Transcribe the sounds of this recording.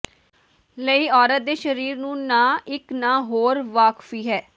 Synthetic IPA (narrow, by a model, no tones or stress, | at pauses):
ləiːɔːɾət̪̚d̪eːʃəɾiːɾnũːnãːɪknãːɦoːɾʋaːkfiːɦɛː